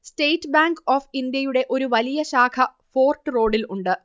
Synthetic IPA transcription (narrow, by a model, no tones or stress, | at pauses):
sʈe̞jʈːbaːŋɡoːfind̪jɐjuɽe̞ʔo̞ɾuʋɐlijɐɕaːkʰɐ | fo̞ːrʈːɨro̞ːɽiluɳɖɨ